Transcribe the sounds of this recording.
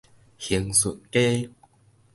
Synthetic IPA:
hi˨˧˦ŋsṵ˨nke˦

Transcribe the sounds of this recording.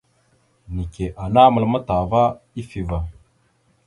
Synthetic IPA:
ni˨ke˨ʔa˨na˦mə˨lma˦ta˨va˦ | i˦fi˨va˨

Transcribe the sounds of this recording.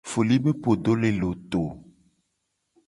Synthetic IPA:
fo˨li˦be˦po˨do˦le˨lo˨t̪o˨

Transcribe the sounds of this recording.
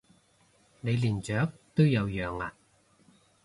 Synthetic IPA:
ne˨˧jliː˨˩nt͡ʃœː˨˥k̚t̪o˥wjɐ˨˧wjœː˨ŋa̰ː˧

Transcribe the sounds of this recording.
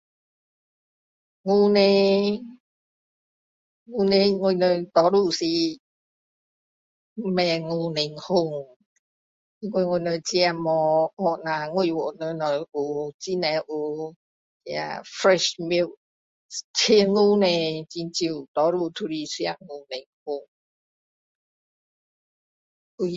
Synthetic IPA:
ŋu˧ne˧ | ŋu˧ne˧ŋu˧˨nə˧t̪ɔ˨˦ɾu˧˨si˧ | mɛ˧˨ŋu˧ne˨ŋho˧ŋ | i˧˦ŋku˧˨˧ŋu˧˨nə˧t͡ɕi˧a˧mɔ˨˧mɔ˧˨nã˨˧ŋu˧˨wɔ˨ʔnə˧nɔ˨˩ju˨t͡ɕi˦nɛ˨˧ʔu˨˧ | i˧a̰˧fɾɛ˧ʃmi˧˨ | t͡ɕʰe˧ŋu˧˦nɛ̃˧t͡ɕi˧nt͡ɕi˧˨t̪ɔ˨˦ɾu˧˨t̪ʰu˧ɾi˧su˧a˧ʔŋu˧ne˨ŋhu˧ŋ | u˧

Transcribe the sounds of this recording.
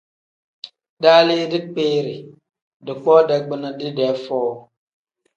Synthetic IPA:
daː˦leː˦dɪ˦k͡peː˦ɾɪ˨ | dɪ˨k͡pɔ˦dɛ˦ɡ͡bɪ˦na˦dɪ˦dɛː˨˦fɔː˦˨

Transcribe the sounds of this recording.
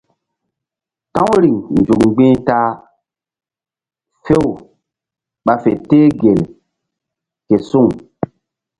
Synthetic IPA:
tã˦wɾi˨ŋnd͡ʒu˨kɡ͡bĩ˦ta˦ | fe˦w | ɓa˨fḛ˨teː˦ɡe˨l | ke˨su˦˨ŋ

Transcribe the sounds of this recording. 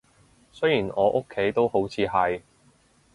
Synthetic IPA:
sɵ˥ɥjiː˨˩nɔː˨˧ʔo˥kʰːe˨˥jt̪o˥who˨˥wt͡sʰiː˨˧ɦɐ˨j

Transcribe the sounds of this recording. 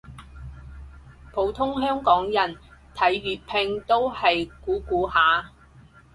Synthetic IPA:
pʰo˨˧˥wt̪ʰʊ˥ŋɦœː˥ŋkɔː˨˥ŋjɐ˨˩nt̪ʰɐ˨˥jɥyː˨t̚pʰɪ˧ŋt̪o˥whɐ˨jkuː˨˥kuː˨˥haː˨˥

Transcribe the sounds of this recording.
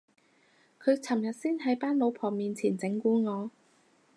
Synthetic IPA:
kʰɵ˨˧ɥt͡sʰɐ˨˩mjɐ˨t̚siː˥nɦɐ˨˥jpaː˥nlo˨˧wpʰɔː˨˩ŋmiː˨˧nt͡sʰiː˨˩nt͡sɪ˨˥ŋkuː˨˧ŋɔː˨˧

